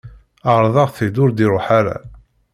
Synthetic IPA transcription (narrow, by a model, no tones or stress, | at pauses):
əʁɾˤðˤɑʁθid̪ʊɾd̪iɾˤoħaɾa̰